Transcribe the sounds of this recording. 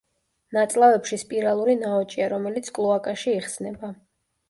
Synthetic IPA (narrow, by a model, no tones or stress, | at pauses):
nat̪sʼlˠavɛpʃispʼiɾalˠuɾinaɔt͡ʃʼiaɾɔmɛlit̪sʰkʼlˠɔakʼaʃiiχsnɛba